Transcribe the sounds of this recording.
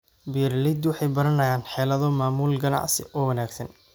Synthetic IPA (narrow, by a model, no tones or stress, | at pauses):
birlɪd̪wɑħɑjbɐɾɐnɐjaːnħɛːlɐðɔmaːmuːlɡɐnɑ̰ʕsɪ̰ʔɔːwɐnaːɡsɐn